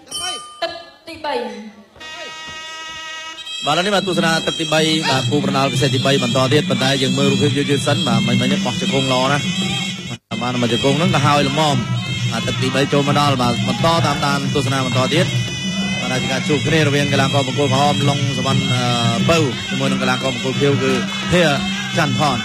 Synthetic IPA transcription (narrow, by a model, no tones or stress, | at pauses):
t̪ɨk̚t̪iːɓəj | ɓaːlənihɓaːt̪uəsanaːt̪ɨk̚t̪iːɓəjɓaːkuːprɑnɗɑlkis̬eːt̪̚t̪iːɓəjɓɑnt̪ɑːt̪iət̪̚pont̪aɛjəːŋməːlruːpʰiəp̚juːət͡ɕɨːsənɓaːməɲməjnɛəʔɓɑht͡ɕakuːŋlʔɑːnah | aɓaːnmət͡ɕəkuːŋnɨŋkɑːɦaəjləmɑːm | ɓaːt̪ɨk̚t̪iːɓəjt͡ɕoːlməɗɑlɓaːɓɑnt̪ɑːt̪aːmt̪aːnt̪uəs̬anaːɓɑnt̪ɑːt̪iət̪̚ | ɓaːnɗaɛt͡ɕiəkaːt͡ɕuːəp̚kʰniəɾɔʋiəŋkalaːkɑːpɔkuːlkɔɦɑːmloŋsəʋɑnʔəːpɨwt͡ɕəmuəjnɨŋkalaːkɑːpəkuːlpʰiəwkɨː | pʰiə | t͡ɕanpʰɑːn